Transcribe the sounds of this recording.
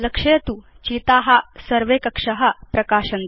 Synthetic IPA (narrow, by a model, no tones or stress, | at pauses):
lɐkʂɐjɐt̪u | t͡ɕiːt̪aːɦɐsɐɾʋeːkɐkʂɐɦɐpɾɐkaːʂɐn